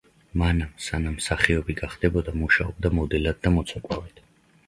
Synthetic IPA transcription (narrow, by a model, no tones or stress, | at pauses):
manamsanamsaχiɔbiɡaχd̪̥ɛbɔd̪amuʃaɔb̚d̪amɔd̪ɛlad̪̚ːamɔt̪sʰakʼwavɛd̪̥